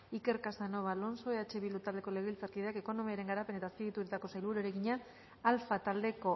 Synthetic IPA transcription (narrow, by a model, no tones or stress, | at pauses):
ike̞ɾkasano̞βalo̞nso̞eat͡ʃe̞βilut̪ald̪e̞ko̞leɣeilt͡saɾkiðeake̞ko̞no̞miaɾe̞ŋɡaɾape̞ne̞t̪aːspiɣit̪uɾit̪ako̞sajlβuɾoɾeɣiɲaː | lfat̪ald̪e̞ko̞